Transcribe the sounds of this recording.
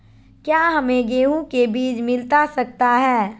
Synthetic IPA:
kjaːɦɐmẽɡeːũkebiːt͡ʃmɪlt̪asɐk̚t̪aɦɛː

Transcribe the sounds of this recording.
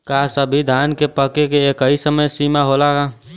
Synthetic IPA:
kaːsəbʱid̪ʱaːnkepəkekeeːkəɦisəməjsiːmaɦoːlaɦaː

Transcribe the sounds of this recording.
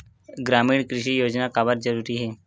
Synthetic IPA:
ɡɾamiːɳkɾiɕiːjod͡ʑnakabəɾd͡ʑəɾuɾiːɦe

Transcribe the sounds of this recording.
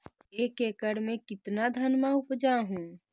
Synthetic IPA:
eːkekəɽmẽkɪt̪nad̪ʱənmaʊpd͡ʒaɦũː

